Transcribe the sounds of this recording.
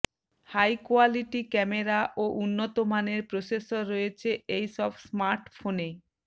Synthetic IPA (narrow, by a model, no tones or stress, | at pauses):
hajkoaliʈikɛmeɾaʔoʔunːot̪omaneɾpɾosesoɾːojet͡ɕʰeejʃɔbsmaɾʈfone